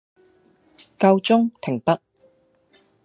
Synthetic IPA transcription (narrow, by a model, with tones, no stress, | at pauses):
kɐ˧wt͡sʊ˥ŋt̪ʰɪ˨˩ŋpɐ˥k̚